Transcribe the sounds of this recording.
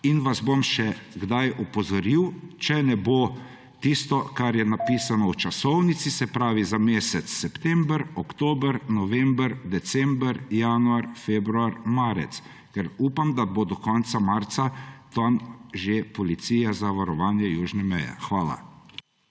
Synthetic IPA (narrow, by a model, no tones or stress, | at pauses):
inʋazbomʃɛɡd̪ajɔpɔzɔɾiwt͡ʃɛnɛbo | t̪ist̪ɔkaɾjɛnapiːsanɔwt͡ʃasɔwnit̪sisɛpɾaːʋizameːsɛt̪sːɛpt̪ɛmbəɾɔkt̪oːbəɾnɔʋɛmbəɾd̪ɛt̪sɛmbəɾjaːnuaɾfebɾuaɾmaːɾɛ̰t̪s | kɛɾuːpamd̪abod̪ɔkɔnt̪samaɾt̪sat̪ɔnʒepɔlit̪siːjazaʋaɾɔʋaːnjɛjuːʒnɛmɛjɛ̰xʋaːla̰